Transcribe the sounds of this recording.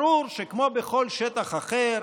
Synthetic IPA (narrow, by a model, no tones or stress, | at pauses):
ɾuɾʃekmobeχolʃet̪aχaχeɾ